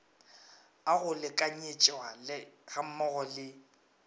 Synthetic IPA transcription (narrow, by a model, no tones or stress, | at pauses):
aɣʊlɪkʼaɲet͡ʃʼwalɪɣam̩mɔɣɔlɪ